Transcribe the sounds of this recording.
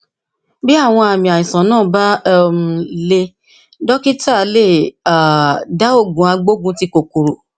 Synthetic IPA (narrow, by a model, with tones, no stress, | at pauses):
bi˦a˦˨w̃ɔ̃˧a˨mĩ˨a˨ĩ˨sã˨˦nãː˦˨ba˦m˦˨le˧ | dɔ˦ki˦ta˦˨˦le˦˨a˨da˦o˦˨ɡũ˨˦a˧ɡ͡bo˦ɡũ˦ti˧ko˨ku˨ɾo˨